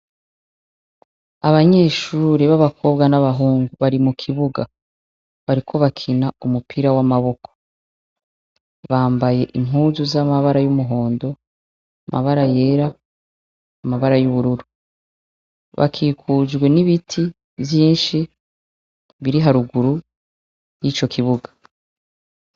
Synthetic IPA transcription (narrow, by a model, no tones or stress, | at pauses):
aβaɲe̞ːʃuːɾiβaβakʰo̞bɡanaβaɦuːŋɡuβaɾimukʰiβuɡa | βaɾikʰo̞βakʰinaumupʰiɾawamaβo̞kʰo̥ | βaːmbaje̞ʔimuːzuzamaβaɾajumuɦo̞ːndo̞ | amʔa̰βaɾaje̞ːɾa | maβaɾajuβuɾuɾu | βa̰kʰiːkʰud͡ʒɡwe̞niβitʰi | vjiːnʃi | βiɾiɦaɾuɡuɾu | jit͡ʃo̞kʰiβuɡḁ